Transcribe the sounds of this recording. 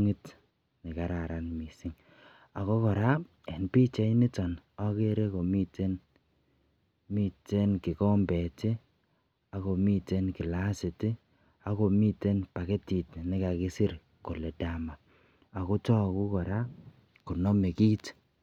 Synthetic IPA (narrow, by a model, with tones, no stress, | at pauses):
ŋɪ˦t | nɪ˨ka˨ɾa˨ɾa˨nmi˨sɪ˦ŋ | a˨ko˦kɔ˨ɾa˦ | ɛ˨npi˦t͡ʃɛ˦nɪ˦tɔ˨nɔ˦ke˦ɾe˦ko˨mi˦te˦n | mi˦te˦nkɪ˨kɔ˦mbɛ˨tɪ˦ | a˦ko˨mi˦te˦nkɪ˨la˦sɪ˨tɪ˦ | a˦ko˨mi˦te˦npa˨ke˦ti˨tnɪ˦ka˨kɪ˦si˦ɾ | ko˨lɛ˨da˨maː˨ | ko˦tɔ˦˨ku˦kɔ˨ɾa˦ | ko˨nɔ˦me˨ki˦t